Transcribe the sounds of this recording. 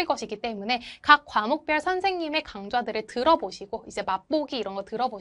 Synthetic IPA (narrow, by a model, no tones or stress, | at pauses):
ɭk͈ʌɕʰiɡit͈e̞mune̞kakk̚k͈wamok̚p͈jʌɭsʰʌnsʰe̞ŋɲime̞kaŋd͡ʑwadɯɾɯɭtɯɾʌboɕʰiɡoid͡ʑe̞map͈oɡiːɾʌnɡʌtɯɾʌbo